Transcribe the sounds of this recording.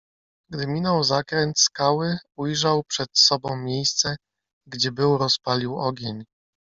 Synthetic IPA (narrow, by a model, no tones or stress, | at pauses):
ɡd̪ɘmʲinɔwzakɾɛnt̪skawɘujʐawpʂɛt̪sɔbɔ̃w̃mʲjejst̪sɛ | ɡd͡ʑɛbɘwɾɔspalʲiwɔɡʲeɲ